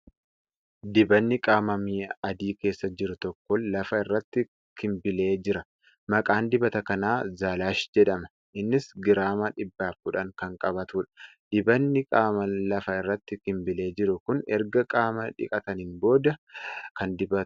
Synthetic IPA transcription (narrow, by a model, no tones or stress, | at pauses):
d̪ɪbɐnːɪkʼaːmɐmiːɐd̪iːke̞ːsːɐd͡ʒɪɾʊt̪ɔkːɔlɐfɐɪrːɐt̪ːɪ | kɪmbɪle̞ːd͡ʒɪɾɐ | mɐkʼaːnd̪ɪbɐt̪ɐkɐnaːzaːlaːʃd͡ʒɛᶑɐmɐ | ʔɪnːɪsɡɪɾaːmɐᶑɪbːaːfkʊᶑɐŋkɐŋkʼɐbɐt̪uːᶑɐ̥d̪̥ɪbɐnːɪkʼaːmɐlɐfɐɪrːɐt̪ːɪkɪmbɪle̞ːd͡ʒɪɾʊkʊnɛ̰ɾɡɐkʼaːmɐᶑɪ̰kʼɐt̪ɐnɪnbo̞ːd̪ɐkɐnd̪ɪbɐ̥